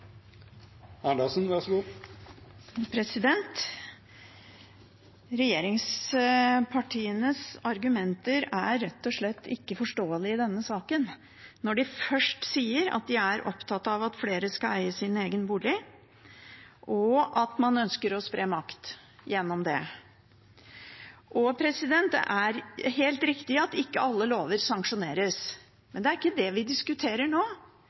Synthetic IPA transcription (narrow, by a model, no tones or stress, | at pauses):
æɖɑsnʋɑɾʂɡuː | pʰɾɛsɪd̪ɛnt̪ | ɾɛjeːɾɪŋs | pʰɑʈʰiːənəsɑɾɡʉmɛnt̪əɾæɾɛt̪ːɔʂɭɛt̪ːɪkːəfɔʂʈoːəlɪɪd̪ɛnːəsɑːkənː | ɔɖɪfœʂʈsiːəɾɑ̰t̪̚d̪ɪæɾʔɔ̰pt̪ʰɑt̪ːɑʋɑt̪fleːɾəskɑlæɪəsɪneːɡənbuːɭɪ | ʔɔʔɑt̪mɑnœnskəɾɔspɾeːmɑkt̪ | jɛnːɔmd̪ɛ | ʔɔpʰɾɛsɪd̪ɛnt̪ʔæɾɦeːlt̪ɾɪkt̪ɪɑt̪ɪkːəɑlːəloːʋəɾsɑŋkʂʊneːɾəs | mɛnd̪ɛæɾɪkːəd̪ɛʋɪd̪ɪskʉt̪ʰeːɾəɳoː